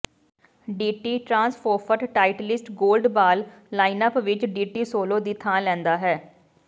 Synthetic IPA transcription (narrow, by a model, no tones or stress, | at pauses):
ɖiːʈiːʈɾãːnspʰoːpʰəʈʈaːɪʈlɪsʈɡoːlɖbaːlː | aːɪnəpʋɪt͡ʃɖiːʈiːsoːloːd̪it̪ʰãːlɛ̃ːnd̪aːɦɛː